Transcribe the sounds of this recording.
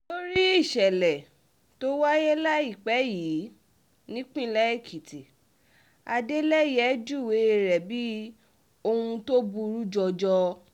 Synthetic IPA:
to˦ɾi˦i˦˨ʃɛ˨lɛ˨ | to˦wa˦je˦la˦i˦˨k͡pɛ˨˦jiː˨˦ | nĩ˦k͡pĩ˦˨˦lɛ˦i˦˨kʰi˨ti˨ | a˧de˦lɛ˦jɛ˨˦d͡ʒu˦˨we˨˦e˧ɾɛ˨bi˦ | o˧hũ˧to˦bu˧ɾu˦d͡ʒɔ˧d͡ʒɔ˧

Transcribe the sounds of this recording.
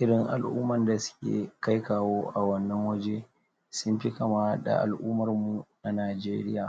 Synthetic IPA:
ʔɪ˦ɽɪ˨ŋʔa̰˨lʔuː˦mɐ˨nda˨sʊ̥˦kʲḛː˨ka˦jkaː˨woː˦ʔa˨wɐ˦nːɐ˦ŋwɐ˦d͡ʒe˦ | sʊ˦mɸi˦kɐ˨ma˦da̰˨ʔa̰˨lʔuː˦mɐ˨rmu˨na˨naː˨d͡ʒeː˦ɾɪ̰˦jaː˨

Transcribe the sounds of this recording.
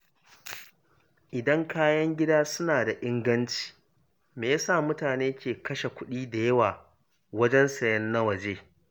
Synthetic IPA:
ʔɪ˨dɐ˦ŋkaː˦jɐ˦ŋɡʲɪ˦daː˦sʊ˦naː˨da˨ʔɪ˦ŋɡɐ˦nt͡ʃi̥ː˨ | meː˨ja˦saː˦˨mʊ˦taː˨neː˦kʲeː˨kɐ˦ʃe˨kʷʊ˦ɗiː˦da˨jɐ˦waː˨ | wɐ˦d͡ʒɛ˦nsɐ˨jɐ˦nːɐ˦wɐ˨d͡ʒeː˦

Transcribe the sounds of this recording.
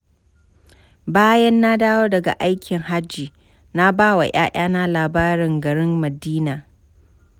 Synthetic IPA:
baː˦jɐ˦nːa˦daː˦woː˦dɐ˨ɡa̰˨ʔa˦jkʲʰɪ˨ŋha˦d͡ʒːiː˨ | na˦baː˦wa̰˨j̰a̰ː˦ʔʲaː˦na˦laː˨baː˦ɾɪ˨ŋɡɐ˨ɽɪ˦mmɐ˨diː˦naː˨

